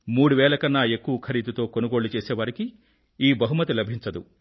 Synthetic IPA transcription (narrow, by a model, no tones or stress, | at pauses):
muːɽuʋɛːlɐkɐnːaːe̞kːuʋɐkʰɐɾiːd̪ut̪o̞ːko̞nuɡo̞ːɭːlut͡ʃeːsɛːʋaːɾiki | iːbɐɦumɐt̪ilɐbʱiɲt͡ʃɐd̪u